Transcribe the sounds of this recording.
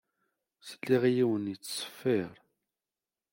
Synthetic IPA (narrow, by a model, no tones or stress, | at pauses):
səlːiʁjiwənjət͡sːsˤə̥fːiɾˤ